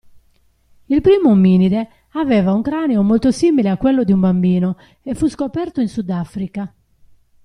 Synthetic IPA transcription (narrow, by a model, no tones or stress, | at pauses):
ilpɾiːmomiːniðɛ | avɛːvauŋkɾaːnɛomolt̪osiːmileakːwɛlːod̪iumbambiːno | ɛfːuskopɛɾt̪oinsud̪afɾika